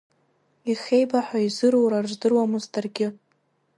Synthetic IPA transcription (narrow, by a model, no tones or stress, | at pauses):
iχejbaħʷaizɨɾowɾarʒʷdɨrwamɨzdarɡʲɪ